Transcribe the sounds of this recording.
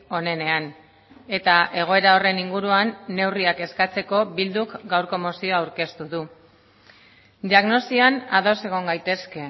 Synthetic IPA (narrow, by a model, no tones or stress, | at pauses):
o̞ne̞ne̞an | e̞t̪aʔe̞ɣ̞o̞e̞ɾao̞re̞niŋɡuɾuanːe̞wriake̞skat͡se̞ko̞bild̪ukɡawɾko̞mo̞sio̞awɾke̞st̪uðu | d̪iaɣno̞sianaðo̞se̞ɣ̞o̞ŋɡajt̪e̞ske̞